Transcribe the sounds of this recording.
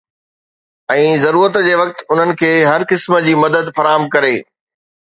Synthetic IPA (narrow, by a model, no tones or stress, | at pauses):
ɛ̃ːzɐɾuːɾət̪d͡ʑeːʋɐk̚t̪ʊn̤ənɪ̆kʰeːɦɐɾkɪsmə̆d͡ʑiːmɐd̪əd̪fɐɾaːɦəmkɐɾeː